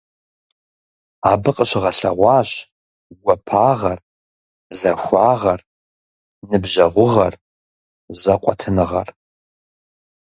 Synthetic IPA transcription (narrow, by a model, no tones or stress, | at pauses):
aːbɨqʼəɕʁɐɬɐ̰ʁʷɑːɕ | ɡʷɐpʰaːʁɐr | zɐxʷaːʁɐr | nɨbʑɐʁʷʊʁɐr | zɐqʷʼɔtʰɨnɨʁɐ̰r